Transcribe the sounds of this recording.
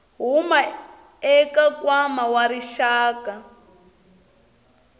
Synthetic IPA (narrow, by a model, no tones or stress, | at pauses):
ɦuma | ɛkakwamawaɾiʃaːka